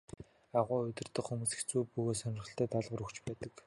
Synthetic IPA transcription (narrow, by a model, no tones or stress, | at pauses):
aʁʊːɵt̪ʲɪ̆rt̪ə̆χxumuːsĭ̥xt͡suːpuɣeːsœnʲɪ̆rχə̆ɬt̪æːt̪aɮʁə̆ɾɵkt͡ɕpæːt̪ə̆k